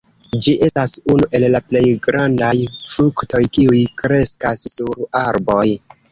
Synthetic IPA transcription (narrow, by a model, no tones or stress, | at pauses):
d͡ʒiʔe̞stasunuʔe̞llaple̞jɡɾandajfɾukto̞jkiujkɾe̞skasːuɾaɾbo̞j